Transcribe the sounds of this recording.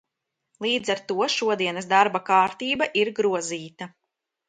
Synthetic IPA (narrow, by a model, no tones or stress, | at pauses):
lˠiːd̪zaɾt̪uɔʃuɔd̪iɛnɐsd̪aɾbakaːɾt̪iːbaʔiɾɡɾuɔziːt̪a